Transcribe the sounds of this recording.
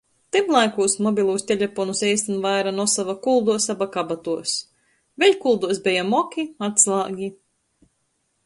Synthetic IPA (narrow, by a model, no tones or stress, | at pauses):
t̪imlˠajkuːsmɔbʲilˠuːsʲt̪ʲelʲepɔnusɛjst̪anvajɾanɔsavakulˠd̪uɔsabakabat̪uɔs | vʲeʎʲkulˠd̪uɔsbʲɛjamɔkʲiat̪slˠaːɡʲi